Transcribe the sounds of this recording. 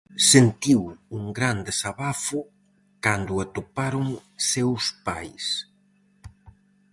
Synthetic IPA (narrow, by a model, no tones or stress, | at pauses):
sent̪iwuŋɡɾand̪esaβafʊ | kand̪ʊat̪opaɾʊŋsewspajs